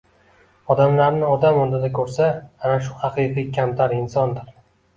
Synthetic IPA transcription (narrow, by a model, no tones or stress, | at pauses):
ɒd̪amlaɾnɪɒd̪amɒnd̪ɪd̪akʲʰɵɾsaːnaʃʊhɑqʰɨjqijkʲʰamt̪ʰaɾɪnsɒnd̪ɪɾ